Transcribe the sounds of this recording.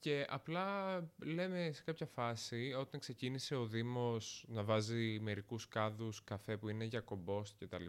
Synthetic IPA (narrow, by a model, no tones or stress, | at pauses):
ce̞ʔɐ̰plɐle̞mese̞kɐpçɐfɐsio̞t̪ɐŋkse̞cinise̞o̞ðimo̞snɐvɐzime̞ɾikuskɐðuskɐfe̞puine̞ʝɐko̞bo̞sce̞t̪ɐli